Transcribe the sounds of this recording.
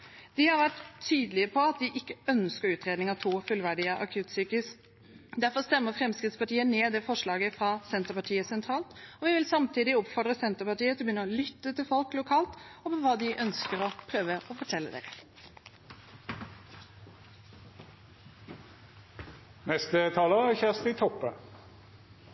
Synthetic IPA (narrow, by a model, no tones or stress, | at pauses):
d̪̥ɪhɑɾʋæʈ̪ʰːyːd̪əlɪəpʰɔɑt̪̚d̪ɪʔɪkːəœnskəɾʉːt̪ʁeːd̪nɪŋɑt̪ʰuːfʉlʋæɖɪəʔɑ̰kʰʉːt̪syːkɪs | d̪æɾfɔst̪ɛmːəɾfɾɛmskɾɪt̪spɑʈiːəneːd̪ɛfɔʂɭɑːɡəfɾɑsɛnt̪əpɑʈʰiːəsɛnt̪ʰɾɑːlt̪ɔʋɪʋɪlsɑmt̪ʰiːd̪ɪɔpfɔɾd̪ʁəsɛnt̪əɾpɑʈiːət̪ɪlbjʏnəɔlʏt̪ːət̪ʰɪlfɔlklʊkʰɑːlt̪ɔpʰɔʋɑːd̪ɪʔœnskəɾɔpʰɾøːʋəʔɔfɔʈʰɛlːəd̪ḛːɾə | nɛst̪ət̪ʰɑːləçæʁst̪ɪt̪ʰɔpːə